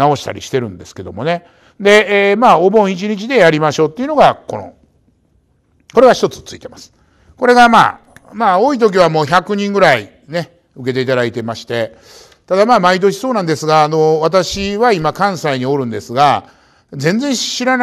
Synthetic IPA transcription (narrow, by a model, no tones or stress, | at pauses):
ao̞ɕi̥t̪a̰ɾʲḭɕi̥t̪e̞ɾɯ̟̃nd̪e̞sɨ̥ke̞d̪o̞̰mo̞ne̞ | d̪e̞ːmaːo̞bõ̞ɰ̃it͡ɕiɲ̟it͡ɕid̪e̞jaɾʲimaɕo̞ːt̪ːeiɯ̟no̞ɡako̞̰no̰ | ko̞ɾe̞ɡaçi̥t̪ot͡sɨ̥t͡sɨit̪emasɨ̥ | ko̞ɾe̞ɡama̰ː | maːo̞ːit̪̬o̞k̬ʲiβamo̞ːçakɯ̟ɲ̟ĩŋɡɯ̟ɾai | ne̞ | ɯ̟ke̞t̪e̞it̪̬ad̪ait̪e̞maɕi̥t̪e̞ | t̪ad̪amaːmait̪̬o̞ɕi̥soːnãnd̪esɨɡaːno̞βat̪aɕiβaimakãɰ̃saiɲ̟io̞ɾɯ̟̃nd̪e̞sɨɡa | zẽ̞nd͡zẽ̞ɕiɾan